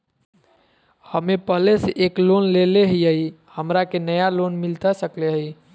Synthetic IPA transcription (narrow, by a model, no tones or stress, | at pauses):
həmepəɦleseʔeklonleleɦijəi | həmɾakenəjalonmilt̪asəkleɦəi